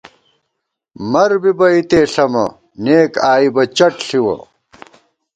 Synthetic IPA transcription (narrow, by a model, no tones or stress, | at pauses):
mɐɾbibɐit̪eːɬɐmɐ̰ | neːkaːibɐt͡ɕɐʈɬiwɐ̰